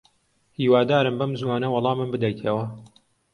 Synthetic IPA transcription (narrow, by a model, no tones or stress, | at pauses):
hiːwaːd̪aːɾɨmbɐmzwaːnɐwɑlˠɑːmɨmbɨd̪ɐjt̪ʰɐwɐ